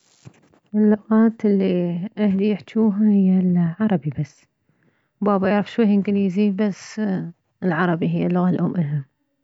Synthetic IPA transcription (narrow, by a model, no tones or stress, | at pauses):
ʔɪlːʊɣaːt̪ɪlːiʔahlijɪħt̪uːɦahɪjːalʕɑɾˤɑbibasː | wbaːbaʔaʕɾɪfʃwajːɪmkɪnjziːbasː | ɪlʕɑɾˤɑbiɦɪjːalːʊɣalʔoːmʔɪlɦam